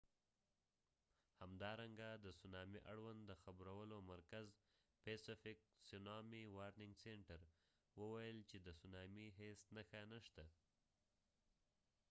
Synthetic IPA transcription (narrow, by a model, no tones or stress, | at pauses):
hamd̪ɑɾaŋɡad̪əsunɑmiʔaɽwand̪d̪əxabɾawəlomaɾkaz | pesɪfɪk̚sʊnɑmiwɑɾnɪŋɡseɳʈaɾ | wəwajəlt͡ʃed̪əsunɑmiɦesnəxanəʃt̪a